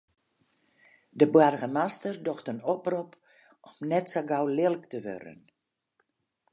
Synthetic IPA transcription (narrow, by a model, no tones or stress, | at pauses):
dəbwarɣəmastərdɔxtənɔprup | ɔmnɛtsaɡawlɪlˠktəʋø̰ɾə̰n